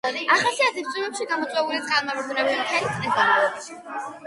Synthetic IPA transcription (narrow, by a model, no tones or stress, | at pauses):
aχasiat̪ʰip̚t̪sʼunɛpʃiɡamɔt̪sʼwɛulikʼalmavɾd̪unɛbimt̪ʰɛlit̪sʼɛsɡamalɔbaʃi̥